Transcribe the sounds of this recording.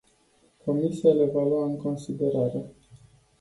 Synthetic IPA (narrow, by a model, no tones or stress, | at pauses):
ko̞misiale̞valoaɨŋko̞nsid̪e̞ɾaɾe̞